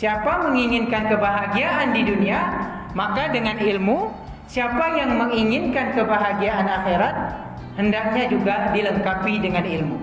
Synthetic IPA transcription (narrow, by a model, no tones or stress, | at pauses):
siapaməŋiŋɪnkankəbaɦaɡiaʔandidunia | makadəŋanilmu | siapajaŋməŋiŋɪnkankəbaɦaɡiaʔanaxeɾat̪̚ | həndak̚ɲad͡ʒuɡadiləŋkapidəŋanilmu